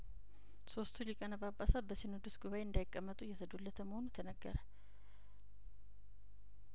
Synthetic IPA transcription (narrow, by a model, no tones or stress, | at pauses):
so̞st̪ʰulikʼənabapʼːasabəsinɨd̪usɡuβajeɨnd̪ajɪkʼːəmːət̪ʼujɛsəd̪ulːət̪ʰəmːəhonut̪ʰənəɡːə̰ɾə